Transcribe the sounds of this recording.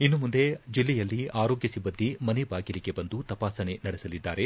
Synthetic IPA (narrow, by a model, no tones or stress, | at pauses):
inːumund̪e̞d͡ʒilːɛjɐlːiaːɾo̞ːɡjɐsibːɐnd̪imɐnebaːɡiliɡe̞bɐnd̪ut̪ɐpaːsɐɳe̞nɐɽesɐlid̪ːaːɾe̞